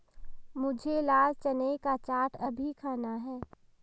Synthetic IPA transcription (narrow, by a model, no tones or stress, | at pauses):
mʊd͡ʒʱelaːlt͡ʃənekat͡ʃaːʈʰəbʱikʰaːnaɦɛː